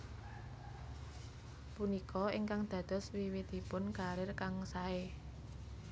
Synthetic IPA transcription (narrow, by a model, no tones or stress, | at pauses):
punikʰɔiŋkaŋd̪̥ä̤d̪̥ɔ̤swiwit̪ipʊnkaɾɪrkaŋsae